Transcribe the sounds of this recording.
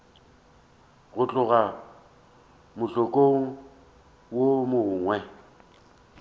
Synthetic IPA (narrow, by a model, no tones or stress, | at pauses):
ɣʊt͡ɬʼʊɣa | mʊɬokʼoŋ̩ | womʊŋwɛ